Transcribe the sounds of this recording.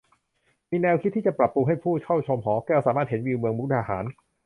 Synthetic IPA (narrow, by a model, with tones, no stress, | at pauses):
miː˧nɛː˧wkʰi˦˥t̪ʰːiː˥˩t͡ɕa˨˩pɾa˨˩pːu˧ŋɦa˥˩jpʰuː˥˩kʰɔ˥˩wt͡ɕʰo˧mɦɔː˩˦kɛː˥˩wsaː˩˦maː˥˩he˩˦nwiː˧wmɯ˧əŋmu˦˥k̚t̪ʰaː˧haː˩˦n